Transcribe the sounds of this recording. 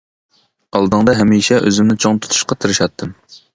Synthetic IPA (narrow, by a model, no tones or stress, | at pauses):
ɑlˠd̪ɨŋd̪ɑɦɛmiʃɛʔøzymnɪt͡ʃʰoŋt̪ʰu̥t̪ʰu̥ʃqɑt̪ʰɨɾɨʃɑt̪ʰːɨm